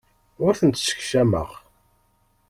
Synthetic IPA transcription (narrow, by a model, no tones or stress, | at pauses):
ʊɾθənt̪sə̥çʃæmə̰ʁ